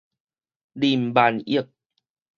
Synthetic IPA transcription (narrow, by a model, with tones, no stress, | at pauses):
li˧˩mbaː˨˧˩nḭ˦˥˩ək̚